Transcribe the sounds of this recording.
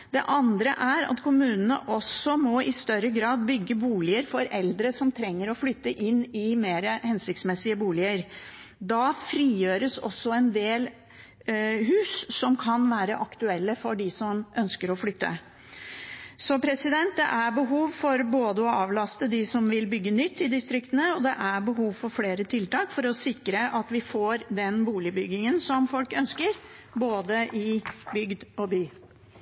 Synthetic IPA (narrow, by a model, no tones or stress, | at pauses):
d̪̥ɛʔɑnd̪ɾəʔæɾɑ̰t̪kʰʊmʉːnənə̰ʔɔsɔmɔɪst̪œɾəɡɾɑːd̪bʏɡːəbuːlɪəɾfɔɾɛld̪ɾəsɔmt̪ʰɾɛŋːəɾɔflʏt̪ːəʔɪnːɪmeːɾəhɛnsɪk̚t̪smɛsːɪəbuːlɪəɾ | d̪ɑfɾiːjøːɾəsɔ̰sːɔɛnd̪eːl | ɦʉːsːɔmkʰɑnʋæːɾəʔɑkt̪ʉɛlːəfɔɖɪsɔmʔœnskəɾɔflʏt̪ːə̰ | sɔpʰɾɛsɪd̪ɛnt̪̚d̪ɛ̰ʔæɾbəɦuːʋfɔɾboːd̪əɔɑːʋlɑst̪əd̪ɪsɔmʋɪlbʏɡːənʏt̪ːɪd̪ɪst̪ɾɪkt̪ənəɔd̪ɛʔæɾbəɦuːʋfɔɾfleːɾət̪ʰɪlt̪ɑːkfɔɾɔsɪkːɾəʔɑt̪ʋɪfoːɾd̪ɛnbuːlɪbʏɡɪŋənsɔmfɔlkœnskəɾ | boːd̪əʔɪbʏɡd̪ɔbyː